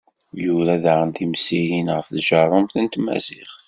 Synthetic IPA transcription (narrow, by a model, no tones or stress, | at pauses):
juɾæðʕənt̪imsijinʁəfðʒɑɾˤʊmθənt̪mæ̰ziχθ